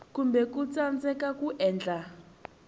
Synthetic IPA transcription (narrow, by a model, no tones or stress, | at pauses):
kumbɛkut͡sand͡zɛkakuʔɛːnd͡ɮa